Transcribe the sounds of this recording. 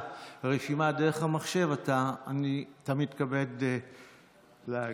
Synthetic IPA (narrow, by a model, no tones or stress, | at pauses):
ʁeʃimadeʁeχhamaχʃe̞vataːnitamidkabe̞d̪ | le